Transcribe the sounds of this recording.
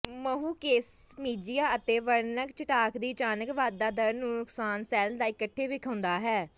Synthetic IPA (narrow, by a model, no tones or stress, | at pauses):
məɦuːkeːsmiːd͡ʒɪjaːət̪eːʋəɾnəkt͡ʃɪʈaːkd̪iːt͡ʃaːnəkʋaːd̪aːd̪əɾnũːnʊksaːnsɛːld̪aːɪkəʈʰːeːʋɪkʰəːʊnd̪aːɦɛː